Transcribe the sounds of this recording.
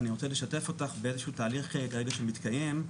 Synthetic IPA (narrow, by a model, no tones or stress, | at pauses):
niʁot͡sele̞ʃate̞fo̞taχbeezeʃutaːliχekeʁeɡaʃemit̪kaje̞m